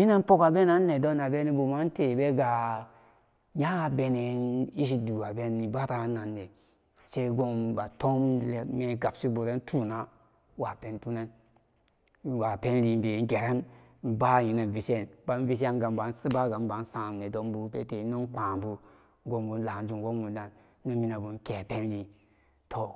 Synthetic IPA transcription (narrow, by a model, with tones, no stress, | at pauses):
ji˦ne˦n˦po˦ka˨be˦na˦nː˦e˨do˦na˨be˦ni˦bu˨ma˦n˦te˨be˦ɡa˨ | ja˦be˨ni˨i˦ʃ̬i˦du˨ɡa˨be˦ni˨ba˦ɾa˨˦na˨nːe˨ | se˦ɡo˦mba˨to˦mle˨me˨ɡa˨psi˦bu˨ɾe˦n˦tʰu˦˨na˦ | wa˨pe˦ntu˦ne˦n˨ | wa˨pe˦nɾi˧mbe˨˦ɡe˨ɾe˦n | m̩˦ba˦ji˨˦ne˨vi˨se˦˨nba˦n˦vi˦s̬e˦n˦ɡa˨mba˨˦nsi˦ba˦ɡa˨m˦ba˨˦n˦sã˨m˨ne˨do˨m˦bu˨pe˦te˨˦no˦nk͡pã˨bu˨ | ɡo˧mbu˨n˦la˨n˦d͡ʒu˨n˨ɡo˦mbu˨da˨nː˦ | u˦mi˦na˨bu˨n˦ke˨pe˦nɾi˧ | tʰo˨